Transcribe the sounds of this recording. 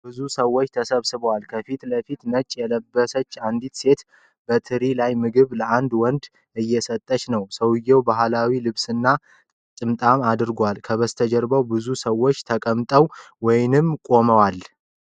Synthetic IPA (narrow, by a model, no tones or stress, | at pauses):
b̥ɨzusəwːo̞t͡ʃːt̪ʰəsəβsɨβəwalkʰəfit̪ləfit̪nət͡ʃʼːjɛləbːəsət͡ʃːand̪it̪se̞t̪ | bət̪ʰɨɾilajmɨɡɨβləʔand̪wɔnd̪ | ɨjːɛsət̪ʼːət͡ʃnəwsəwɨjːɛwbaɦlawilɨβsɨnːa | t͡ʃ̪ʼɨmt̪ʼamad̪ɨɾɡʷalkʰəβəst̪ʰəd͡ʒɛɾbəwbɨzusəwːot͡ʃːt̪ʰəkʼəmt̪ʼəw | wɔjnɨmkʼo̞məwal